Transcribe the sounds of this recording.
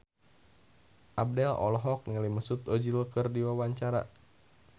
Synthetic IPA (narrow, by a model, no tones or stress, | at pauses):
ʔab̚dɛlɔ̰lɔɦɔk̚nəliməsut̪ɔd͡ʒiləkərdiwawaɲt͡ʃaɾa̰